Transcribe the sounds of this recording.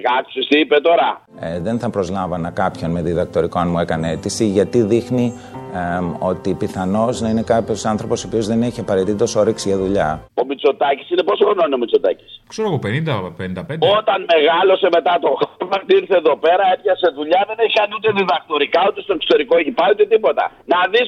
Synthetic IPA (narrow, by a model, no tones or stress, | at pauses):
kɐksist̪iipet̪o̞ɾɐ | ðe̞nθɐpɾo̞zlɐvɐnɐkɐpço̞nme̞ðiðɐk̚t̪o̞ɾikonmue̞kɐneet̪isiʝɐt̪iðixni | o̞t̪ipiθɐno̞znɐine̞kɐpçosɐnθɾo̞po̞sopio̞zðe̞ne̞çiɐpɐɾe̞t̪it̪o̞so̞ɾeksiʝɐðuʎɐo̞mit͡so̞t̪ɐci̥sine̞posoɣnonio̞mit͡so̞t̪ɐci̥skseɾoɣopenind̪ɐpenind̪ɐpendo̞t̪ɐnme̞ɣɐlo̞se̞me̞t̪ɐt̪o̞xɾmɐxt̪iɾθeðo̞pe̞ɾɐep̪çɐse̞ðuʎɐðe̞neçikɐniut̪e̞ðiðɐk̚t̪o̞ɾikɐut̪e̞st̪o̞ekso̥t̪e̞ɾikoeçipɐɾiut̪e̞t̪ipo̞t̪ɐ̰ | nɐðis